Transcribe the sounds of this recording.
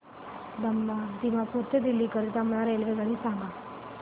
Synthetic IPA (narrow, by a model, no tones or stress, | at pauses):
d̪əmːad̪imãpuɾt̪ed̪ilːikəɾit̪amɭaɾelʋeɡaɽĩsãŋɡa